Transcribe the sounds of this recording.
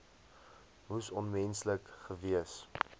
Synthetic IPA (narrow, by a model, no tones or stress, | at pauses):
musɔnmɛnsləkχəviəs